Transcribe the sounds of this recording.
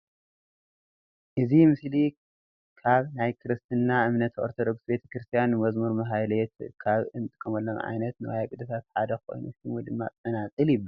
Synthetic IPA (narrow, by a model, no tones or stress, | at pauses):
ʔɨzimɨsli | kʰaβnajkʰɨɾɨst̪ʰɨnːaʔɨmnɐt̪o̰ɾt̪ʰod̪oɡsbe̞t̪ʰɐ̥kɾɨst̪ʰijanːɨmɐzmuɾmɐɦajlet̪kʰaβɨnt̪ʼɨ̥kʼɐmɐlːomʕa̰jnɐt̪nɨwajakʼɨd̪ɐt̪ʰat̪ħad̪ɐxʰo̰jnṵst̪ʰimod̪ɨmːa̰t̪ʼɐnat͡sʼɨljɪbːɐ